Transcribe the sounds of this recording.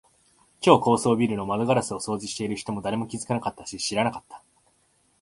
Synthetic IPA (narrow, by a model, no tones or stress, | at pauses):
kʲo̞ːko̞ːso̞ːbʲiɾɯ̟no̞mad̪o̞ɡaɾasɨo̞so̞ːʑiɕi̥t̪e̞iɾɯ̟çi̥t̪o̞mo̞d̪aɾe̞mo̞kʲizɨ̥kanakat̪ːaɕiɕiɾanakḁt̪ːḁ